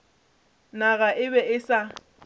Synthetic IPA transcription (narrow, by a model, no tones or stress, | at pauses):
naɣaʔɪβɛɪsa